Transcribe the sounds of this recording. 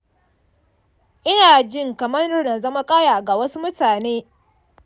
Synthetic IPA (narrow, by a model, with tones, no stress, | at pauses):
ʔɪ˦naː˨d͡ʒɪ˦˨ŋkɐ˨mɐ˦ʊ˦rna˨zɐ˦ma˦kʼaː˦jaː˨ɡa˨wɐ˦su˦mʊ˦taː˨neː˦